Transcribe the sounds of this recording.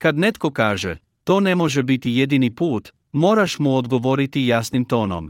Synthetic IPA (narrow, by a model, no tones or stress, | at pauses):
kad̪net̪ko̞kaːʒḛ | t̪o̞ːnemo̞ʒɛbit̪ijed̪inipuːt̪ | moːɾaʃmuod̪ɡoʋoɾit̪ijaːsnimt̪o̞ːno̰m